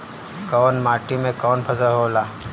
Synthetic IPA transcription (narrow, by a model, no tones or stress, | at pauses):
kɔːnmaːʈimẽkɔːnpʰɐsəɦoːlaː